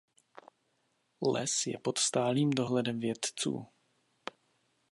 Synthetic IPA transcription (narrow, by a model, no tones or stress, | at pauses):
lɛ̰sjɛ̰po̞t̪st̪aːliːmdo̞ɦlɛdɛmvjɛt̪t͡sṵː